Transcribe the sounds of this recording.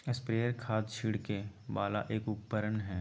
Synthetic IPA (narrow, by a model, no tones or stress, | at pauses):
ɪspɾeːəɾkʰaːd̪̚t͡ʃʰiːɽkebaːlaʔeːkʊpːəɾənɦɛː